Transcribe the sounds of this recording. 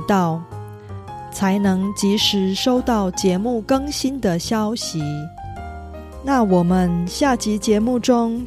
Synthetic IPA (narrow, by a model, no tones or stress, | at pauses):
t̪ɑʊ | t͡sʰaɪnɤŋt͡ɕiʂɻ̩ʂoʊt̪ɑʊt͡ɕjɛmukɤŋɕind̪əɕjɑʊɕi | nawɔmənɕjat͡ɕit͡ɕjɛmuʈ͡ʂʊŋ